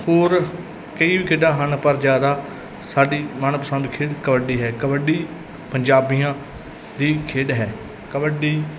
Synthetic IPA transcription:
hoːɾ | kəiːʋiːkʰeːɖãːɦənpəɾd͡ʒjaːd̪aː | saːɖiːmanːpəsə̃nd̪kʰeːɖkəbəɖiːɦɛːkəbəɖiː | pəɲd͡ʒaːbijãː | d̪iːkʰeːɖɦɛː | kəbəɖiː

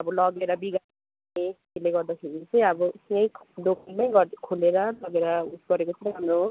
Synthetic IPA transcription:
ʌbɔlʌɡeɾʌbiɡa | ekeleɡʌrd̪ʌkʰeɾit͡sʰijabɔsiʌjd̪okʰalmajɡʌkʰuleɾʌlʌɡeɾʌusɡʌɾekot͡sʰʌnamo

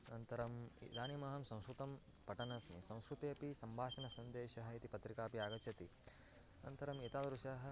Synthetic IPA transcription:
nɐnt̪ɐɾɐmd̪aːnimɐɦɐmsɐ̃w̃skɾut̪ɐm | pɐʈɐnɐsmḭsɐ̃w̃skɾut̪eːpisɐmbʱaːʃɐnɐsɐnd̪eːʃɐɦɐit̪ipɐt̪ɾikaːpiaːɡɐt͡ʃʰɐt̪i | nɐ̰nt̪ɐɾɐmit̪aːd̪ɾuʃɐɦɐ

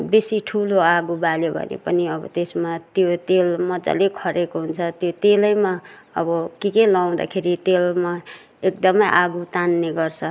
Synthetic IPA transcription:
besiʈʰuloaɡubaljobʱʌ̰nḛpʌniʌbʌ̰t̪esmat̪jot̪elmʌd͡zʌ̰lekʰʌɾekoɦunt͡sʰʌt̪jot̪elʌjma | ʌ̰bʌkikelaw̃d̪a̰kʰeɾit̪elma | ek̚d̪ʌmʌjʔaɡut̪anːeɡʌrt͡sʰʌ

